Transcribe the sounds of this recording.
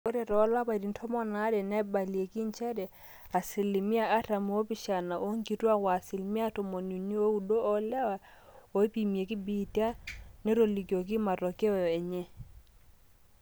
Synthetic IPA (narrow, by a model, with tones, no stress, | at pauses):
o˦ɾɛ˨ɾɔ˨˦la˦ba˨di˨n̩˦tʰɔ˦mɔ˦na˦dɛ˨nɛ˦ba˨li˨e˨ki˦nt͡ʃɛ˦dɛ˨ | a˨sɪ˨li˨mi˦a˨ʔa˦ta˨mu˦o˦pi˦ʃa˨na˨ʔo˦ŋɡi˨tu˦a˦wa˨sɪ˨lmi˦a˦tɔ˨mo˨nu˨ni˦o˦u˦do˦ʔɔ˦lɛ˦wa˨ | o˦pi˨mi˨e˨ki˦bi˦ti˦a˦nɛ˦ɾo˨li˨kjo˨k̬ɪ˦ma˨ɾɔ˨kɛ˦ɔ˨ɔ˨ɛ˨ɲɛ˦